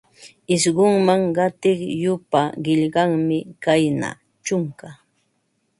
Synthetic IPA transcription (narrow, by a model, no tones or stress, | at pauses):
ɪʃɢʊŋmaŋɢɑt̪ɪχjʊpaɢɪʎɢɑŋmɪkajna̰ | t͡ʃʊŋka